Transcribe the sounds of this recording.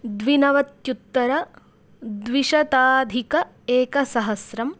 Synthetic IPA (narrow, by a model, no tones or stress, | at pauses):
d̪ʋinɐʋɐt̪jut̪ːɐɾɐ | d̪ʋiʃɐt̪aːd̪ʱikɐ | eːkɐsɐɦɐsɾɐm